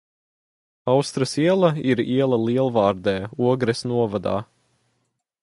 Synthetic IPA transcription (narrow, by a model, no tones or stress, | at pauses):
awst̪ɾɐsiɛlˠɐiɾiɛlˠɐlˠiɛlˠvɑːɾd̪ɛːuɔɡɾɛsnuɔvad̪a̰ː